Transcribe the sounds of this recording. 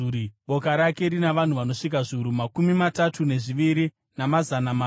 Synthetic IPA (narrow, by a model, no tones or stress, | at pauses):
ɓo̞kaɾake̞ɾinaʋan̤uʋano̞ʂik̬aʐiuɾumakumimatatʰune̞ʐiʋiɾi | namazanama